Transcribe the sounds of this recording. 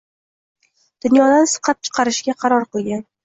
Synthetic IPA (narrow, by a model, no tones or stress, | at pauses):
d̪̥ʊnjɒd̪ansɨ̥qʰɑp̚t͡ʃʰɨ̥qʰɑɾɪʃɡʲaqʰɑɾɒɾqɨlˠɡʲan